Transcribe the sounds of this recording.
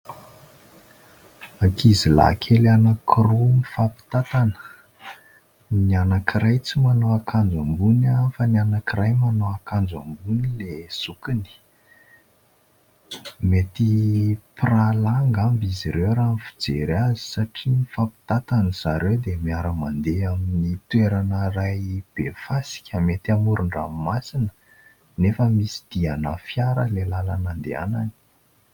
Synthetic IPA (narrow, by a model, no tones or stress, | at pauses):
akʰizila̰kʰelanakʰirunifapi̥t̪at̪anə̥ | nianakiɾajt͡simanoakʰand͡zambunafənianakirajmanoakand͡za̰mbunilesukini̥ | met̪ipralaŋɡambiziɾewɾanifi̥d͡zeɾazi̥saʈ͡ʂiifapi̥t̪at̪aniz̥aɾewd̪emiaɾəmand̪eaminit̪weɾanərajb̥efasi̥kʲəmet̪amuɾʔuɳɖ͡ʐa̰masinə̥ | nefəmisi̥d̪̥ianafjaɾəlelalanand̪ḛa̰na̰ni̥